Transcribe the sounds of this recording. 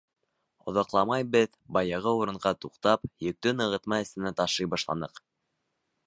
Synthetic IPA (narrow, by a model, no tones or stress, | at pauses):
ŏ̰ðɑqlˠɑmɑjbɘð | bɑjɤʁɤuɾɤ̆ɴʁɑt̪uqt̪ɑpjɵ̆k̚t̪ɵnɤ̆ʁɤ̆t̪mɑɘ̆st̪ɘ̆næt̪ɑʃɤjbɑʃlˠɑ̰nɤq